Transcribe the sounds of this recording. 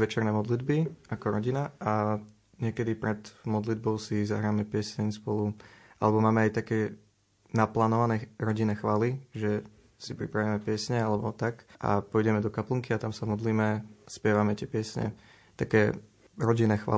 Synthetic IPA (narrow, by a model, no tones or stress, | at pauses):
ʋɛt͡ʃɛɾnɛːmɔd̪lid̪biakɔɾɔɟinaʔa | ɲɪɛkɛd̪ipɾɛd̪mɔd̪lid̪bɔʊsizaɦɾaːmɛpɪɛsɛɲspɔluʔa̰lɛbɔmaːmɛajt̪akɛː | naplaːnɔʋanɛːɾɔɟinːɛːxʋaːliʒɛ | sipɾḭpɾaʋimɛpɪɛsɲɛalɛbɔt̪akʔa̰pɔjɟɛmɛd̪ɔkapləŋkiat̪amsamɔd̪liːmɛspɪɛʋamɛt̪ɪɛpɪɛsɲɛ̰ | t̪akɛː | ɾɔɟinːɛːxʋa̰ː